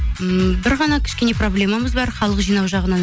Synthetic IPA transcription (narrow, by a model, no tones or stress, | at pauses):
bɪɾʁɑnɑkʲʰɪ̥ʃkʲe̞ne̞pro̞blʲe̞maməzbɑɾχɑlˠəqʒijnɑwʒɑʁənɑ